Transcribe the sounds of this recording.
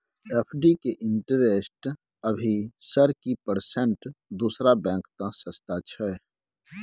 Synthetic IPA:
eːpʰɖikeʔɪ̃ɳʈəɾeːsʈ | əbʱisəɾkipəɾsɛ̃ɳʈd̪uːsɾabɛ̃ːŋkt̪ãsəst̪at͡ʃʰɛ

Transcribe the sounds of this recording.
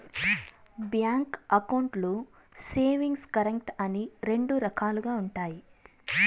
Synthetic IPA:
bjaːŋkɐkɐwɳʈlu | seːʋiŋɡskɐɾekʈɐniɾe̞ɳɖuɾɐkʰaːluɡaːuɳʈaːji

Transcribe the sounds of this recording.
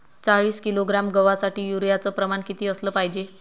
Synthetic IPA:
t͡saɭiːskiloɡɾamɡəʋasaʈiːjuɾjat͡səpɾəmaɳkit̪iːəsləpajd͡ʑe

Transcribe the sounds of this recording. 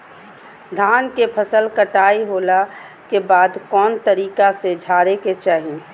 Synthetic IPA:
d̪ʱaːnkepʰəsəlkəʈaːiɦoːla | kebaːd̪kɔːnt̪əɾiːkased͡ʒʱaːɾeket͡ʃaːɦi

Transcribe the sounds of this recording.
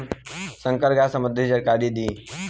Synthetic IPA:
səŋkəɾɡasəməd̪ʱəd͡ʒəɾkaɾid̪iː

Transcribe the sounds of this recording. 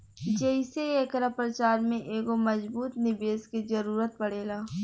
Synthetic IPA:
d͡ʒɛɪseekɾapɾət͡ʃaːɾmẽʔeːɡomɐzbuːt̪nɪbeːskezɐɾuːɾət̪̚pɐɽeːlaː

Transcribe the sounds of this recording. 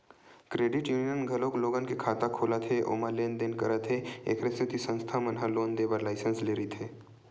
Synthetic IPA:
kɾeːɖɪʈjuːnijənɡʱɐloːkloːɡankekʰaːt̪akʰoːlat̪ʰeʔo̰ːmaleːnd̪eːnkəɾat̪ʰeḛːkʰɾest̪ʰet̪ʰisə̃nst̪ʰamɐnɦaloːnd̪eːbaɾlaːɪsənsleːɾit̪ʰeː

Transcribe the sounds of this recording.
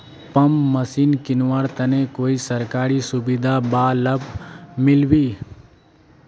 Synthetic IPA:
pəmːəsiːnkɪnʋaɾt̪ənekoːisəɾkaːɾisʊbɪd̪ʱabaːləbmɪlwiː

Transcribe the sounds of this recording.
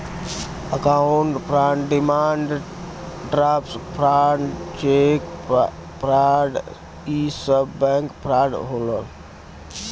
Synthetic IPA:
əkauɳʈpɾaɳɖimaɳɖ | ɖɾapspʰɾat͡ʃek | pɾaɖ | isəbbɛ̃ŋkpɾaɖɦoləl

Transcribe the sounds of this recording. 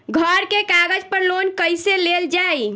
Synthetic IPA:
ɡʱəɾkekaɡəd͡ʒpəɾlonkəjseleld͡ʒaj

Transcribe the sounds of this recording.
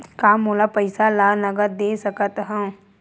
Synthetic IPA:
kaːmɦoːlapəɪsalaːnɐɡəɾd̪eːsɐkət̪ɦə̃

